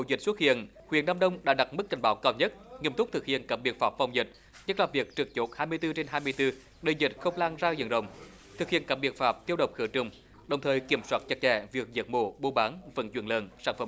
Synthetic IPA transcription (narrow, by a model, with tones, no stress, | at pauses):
o̰˧˨˩zï˨˩k̟̚swə˦˥t̚hḭ˧˨ənhwi˧˨ənːaː˧mɗə˧wŋ͡mɗa̰ː˧˥ɗa˨˩t̚mɨ˦˥k̚ka̰˨˩jŋ̟ɓaː˨˦wkaː˧wɲə˦˥t̚ŋi˧əmt̪ʊ˦˥k͡p̚t̪ɨ˨˩k̚hḭ˧˨ənkaː˧˩ɓḭ˨˩ək̚faː˨˩p̚fa˨˩wŋ͡mzï˨˩t̚ | ɲə˦˥t̚laː˨˩vi˨˩ək̚t͡ɕɨ˨˩k̚t͡ɕo˨˦˥t̚haː˧jmɨ˧əjt̪ɨ˧t͡ɕe˧nɦaː˧jmɨ˧əjt̪ɨ˧ | ɗe˧˨˩zï˨˩t̚xə˧wŋ͡mlaː˧ŋzaː˧zə̰˧˨˩nɗə̰˧˩wŋ͡m | t̪ʰɨ˨˩k̚hḭ˧˨ənkaː˧˩ɓi˧˩ət̚faː˨˩p̚t̪i˦˧əwɗə˨˩wŋ͡m̚xɨ˧˩ət͡ɕʊ˨˧˩ŋ͡m | ɗə˨˩wŋ͡mt̪ʰəː˨˩jki˧˩əmswaː˦˥t̚t͡ɕə˨˩k̚t͡ɕɛ̰˧˩vi˨˩ək̚zə̰˨˩t̚mo̰˧˩ɓo˧ɓaː˨˦nvə̰˧˩nt͡ɕwi˧˩ənləː˨˩nsaː˧˩nfə˧˩